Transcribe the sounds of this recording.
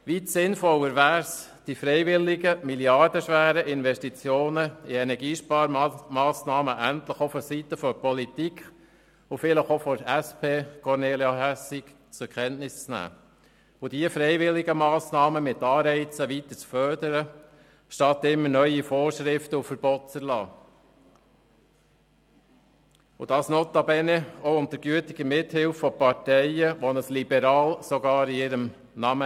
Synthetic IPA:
ʋitsɪnfɔlːəɾʋæːɾs | d̥ifɾɛɪʋɪlɪɡəmiljɑrd̥əʃʋæːɾəʔɪnʋɛʃtit͡sjoːnəiɛnɛɡiːʃpɑːɾmɑːsnɑːməʔænt̪ləχofɔsit̪əfɔpɔlit̪ik | ʊfɪləχofɔæspʰeːkʰɔɾneːljaɦæsɪk | t͡sʊɾkʰχɛntnɪst͡snæ̰ː | od̥iəfɾɛɪʋɪlɪɡəmɑːsnɑːməmɪt̪ːɑːɾɛɪt͡səʋitəɾt͡sfœɾdəɾə | ʃtɑt̪ɪmːənœʏifoːɾʃɾɪftəufəɾb̥ɔtt͡səɾlɑː | ʊ̰d̥ɑːsnɔt̪ːɑbɛnɛoʊnt̪əɾɡ̥yətɪɡ̥əmɪthɪlfːɔpɑɾtɛɪəʋɔnəslibɛɾɑːlsɔɡɑːɾiɪɾəm | nɑmə

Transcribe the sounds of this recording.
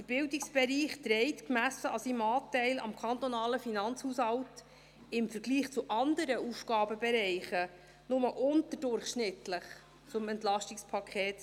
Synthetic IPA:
əɾb̥ɪwdɪksb̥ɛɾiːχtɾɛɪtkmæsəɑsimɑːtɛɪlɑ̰mkʰɑnt̪ɔnɑːləfinɑnt͡shuːshɑwt | ɪmfəɾɡliːχt͡suʔɑnd̪əɾəʔufɡ̥ɑːbəbɛɾɛɪχə | nʊməʔʊntəɾdʊɾχʃnɪtləχ | t͡sʊmɛntlɑʃtɪkspʰɑkʰɛːt

